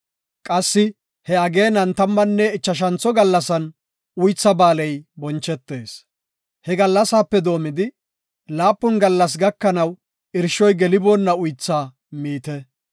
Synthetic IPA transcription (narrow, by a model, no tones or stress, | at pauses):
kʼɐsːɪ | hɛɐɡe̞ːnɐnt̪ɐmːɐnːɛɪt͡ʃːɐʃ̬ɐnt͡sɔɡɐlːɐsɐn | ʊjt͡sːɐbaːlɛjbɔnt͡ʃːɛt̪ːe̞ːs | hɛɡɐlːɐsaːpːɛd̪o̞ːmɪd̪ɪ | laːpːʊnɡɐlːɐs̬ɡɐkːɐnɐw | ʔɪɾʃɔjɡɛlɪboːnːɐʊjt͡sːaː | miːt̪ɛ